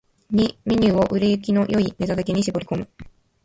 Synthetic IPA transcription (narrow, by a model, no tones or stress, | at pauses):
ɲimʲiɲ̟ʲɨːo̞ʔɯɾejɯk̬ʲino̞jo̞ine̞t̪ad̪ake̞ɲ̟iɕibo̞ɾʲi̥ko̞mɯ̟